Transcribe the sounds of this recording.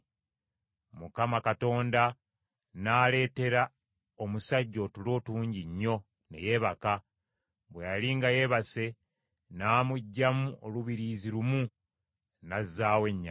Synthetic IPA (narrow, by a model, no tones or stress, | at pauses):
mukamakato̞ːnda | naːle̞ːte̞ɾa | o̞musaɟːo̞tulo̞ːtuːɲɟiɲːo̞ | ne̞̰je̞ːβaka | βwejaliŋɡaje̞βase̞ | naːmuɟːamuʔo̞luβiɾiːziɾumu | nazːaːwe̞ɲːa̰